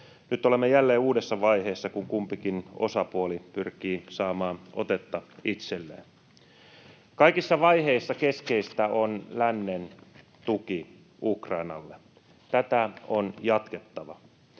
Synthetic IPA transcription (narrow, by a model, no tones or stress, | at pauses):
nyt̪ːolemːejælːeːuːdesːɑʋɑiɦeːsːɑkuŋkumpikino̞̰sɑpuolipyrkiːsɑːmɑːno̞̰t̪et̪ːɑit̪selːḛːn | kɑikisːɑʋɑjɦeisːɑke̞ske̞ist̪æonlænːen | t̪uki | ukrɑinɑ̰lːe | t̪æt̪æonjɑt̪ket̪ːɑʋɑ